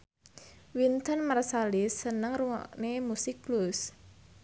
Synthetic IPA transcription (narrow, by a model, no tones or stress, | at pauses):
wint̪ənmarsalisənəŋruwa̰ʔnemusɪk̚blus